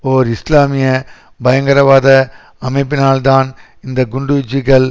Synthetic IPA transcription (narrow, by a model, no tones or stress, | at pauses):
oːɾɪslaːmiɛ | bɐjɐ̃ŋɡɐɾaʋaːd̪ɐ | ɐmẽːpɪnaːld̪aːn | ɪ̃nd̪ɐɡʊɳɖud͡ʒiːɡɐl